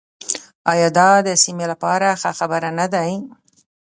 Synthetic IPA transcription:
ɑjɑd̪ɑd̪əsimelapɑɾaxaxabəɾanad̪aj

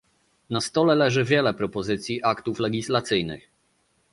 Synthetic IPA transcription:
nast̪ɔlɛlɛʐɘvʲjɛlɛpɾɔpɔzɘt̪sʲjiʔakt̪uflɛɡʲislat̪sɘjnɘ̰x

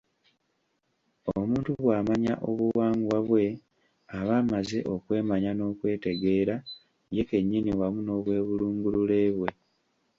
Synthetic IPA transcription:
omuːntuβwaːmaɲa̰ʔo̞βuwaːŋɡwaβwe̞ | aβaːmaze̞ʔo̞kwe̞ːmaɲano̞ːkwe̞ːte̞ɡe̞ːɾa | je̞ke̞ɲːiniwamuno̞ːβwe̞ːβuluːŋɡulule̞ːβwe̞

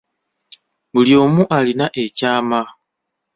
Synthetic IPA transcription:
βuljo̞ːmuʔalinaʔe̞caːma

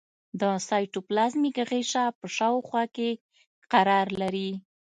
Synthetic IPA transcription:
d̪əsɑjʈoplazmikɣeʃapəʃɑwxwɑke | qaɾɑɾlaɾi

